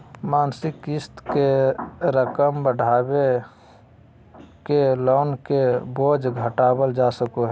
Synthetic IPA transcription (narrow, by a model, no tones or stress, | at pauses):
maːnsɪkɪst̪keɾəkəmbəɖʱaːbe | kelɔːnkeboːd͡ʒɡʱəʈaːbəld͡ʒaːsəkoɦɛ